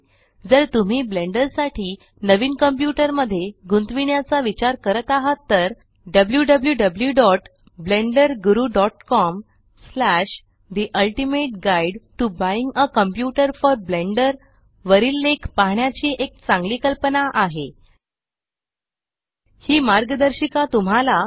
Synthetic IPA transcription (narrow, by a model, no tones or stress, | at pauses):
d͡zəɾt̪um̤iːbleɳɖəɾsaʈʰiː | nəʋiːnkəmpjuʈəɾməd̪ʱːjeɡunt̪ʋiɳjat͡saʋit͡ɕaɾkəɾət̪aɦət̪ːəɾ | ɖəbljuɖəbljuɖəbljuɖɔʈ | bleɳɖəɾɡuɾuɖɔʈkɔm | slæʂ | d̪iʔəlʈimeʈ̚ɡaiɖʈubaiŋɡəkəmpjuʈəɾfɔɾbleɳɖəɾ | ʋəɾiːlːekpaɦɳjat͡ɕiːʔek̚t͡sãŋɡliːkəlpənaʔaɦe | hiːmaɾɡəd̪əɾɕikat̪um̤ala